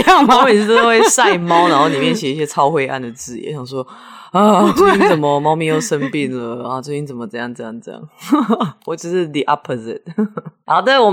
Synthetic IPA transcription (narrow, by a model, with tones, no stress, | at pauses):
ɑ˥˨˩ŋm˥e˨˩ɻ̩˥t̪o˥we˥˧ɪsa˥˩ɪɪmɑ˥ʊna˨˦nxo˥˩ʊli˨˩mjɛ˥˩nɕjɛ˨˩i˥ɕ̬jɛ˥t͡sʰɑ˥ʊxwe˥˧ɪʔa̰˥˩nd̪ə˩t͡sɹ̩˥˩jḭ˨˩˦ɕjɑ˨˩sʂwɔ˦˥ | a˥˧˩t͡ɕwo˥˧i˥t͡sə˨˩nmə˨mɑ˥ʊmi˥˧jo˥˩ʊʂə˦npi˥˩nlə˩a˧t͡ɕo˥˩i˥t͡sə˨˩mə˩t͡sɤ˥˧jɑ˥˧ŋt͡sjɑ˥˩ŋt͡sə˥˧jɑ̰˥˩ŋ | wɔ˨˩t͡ɕjo˥˧ʂɻ̩˥˩d̪i˨ʔa˦˥pʰːo˨zɪ˨t̚hɑ˨˩ʊd̪ə˦wɔ˨